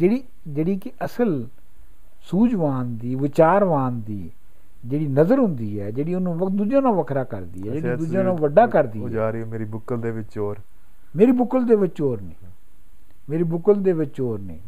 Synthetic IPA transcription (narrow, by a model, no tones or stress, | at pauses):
d͡ʒeːɽiː | d͡ʒeːɽiːkɪʔəsəl | suːd͡ʒʋaːnd̪iːʋɪt͡ʃaːɾʋãːnd̪iː | d͡ʒeːɽiːnəzəɾɦʊ̃nd̪iːɦɛːd͡ʒeːɽiːʊnũːʋd̪uːd͡ʒãːnãːʋəkʰɾaːkəɾd̪ḭːɦɛːd͡ʒeːiːd̪uːd͡ʒãːnãːʋəɖaːkəɾd̪iːaːɾioːmeːɾibʊkəld̪eːʋɪt͡ʃoːɾ | meːɾiːbʊkəld̪eːʋɪt͡ʃoːɾneː | meːɾiːbʊkəld̪eːʋɪt͡ʃoːɾnḛː